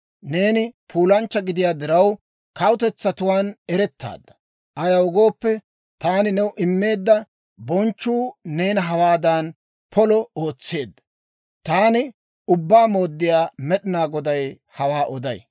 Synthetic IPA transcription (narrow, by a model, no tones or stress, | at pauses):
ne̞ːnɪpʰuːlɐnt͡ʃːɐɡɪd̪ɪjaːd̪ɪɾɐw | kɐwʊt̪ɛt͡sːɐt̪ʊwaːnɛɾɛt̪ːa̰ːd̪ːɐ̥ | ʔɐjɐwʊɡo̞ːpːɛ | t̪aːnɪnɛwʊʔɪmːe̞ːd̪ːɐ | bɔnt͡ʃːuːne̞ːnɐɦɐwaːd̪an | pʰɔlɔo̞ːt͡sːe̞ːd̪ːɐ̥ | t̪aːnɪ | ʊbːaːmo̞ːd̪ːɪjaːmɛɗɪnaːɡɔd̪ɐj | hɐwaːʔɔd̪ɐj